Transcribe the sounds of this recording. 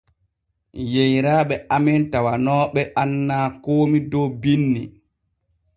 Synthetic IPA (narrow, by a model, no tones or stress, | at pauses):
jejɾaːɓɛʔamɛntawanɔːɓɛʔanːaːkoːmidɔwbinːḭ